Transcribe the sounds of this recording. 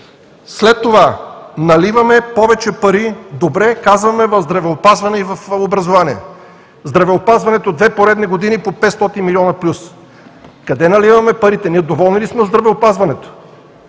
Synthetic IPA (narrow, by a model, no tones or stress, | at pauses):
slɛt̪ːovanɐlivɐmɛpɔvɛt͡ʃɛpɐɾid̪obɾɛkazvɐmɛvɐvzd̪ɾɐvɛopazvɐnɛivɐfobɾɐzovaniɛ̰ | zd̪ɾɐvɛopazvɐnɛt̪od̪vɛpoɾɛd̪nɛɡod̪inipopɛt̪st̪ɔt̪inmiliɔnɐplʲus | kɐd̪ɛnɐlivɐmɛpɐɾit̪ɛniɛd̪ovɔlˠnilismɛozd̪ɾɐvɛopazvɐnɛt̪o̥